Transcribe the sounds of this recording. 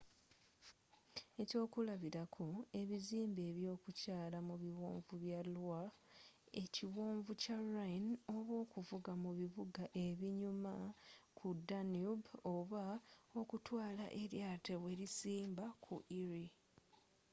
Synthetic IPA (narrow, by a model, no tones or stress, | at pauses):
e̞co̞ːkulaβiɾakʰo̞e̞βiziːmbe̞ːβjo̞ːkucaːlamuβiwoːɱvuβjalwa | e̞ciwoːɱvucaɾano̞βwo̞ːkuvuɡamuβiβuɡaʔe̞βiɲumakʰudanubo̞βao̞kutwaːla̰ʔe̞ɾjatewe̞ɾisiːmbakʰṵʔiɾi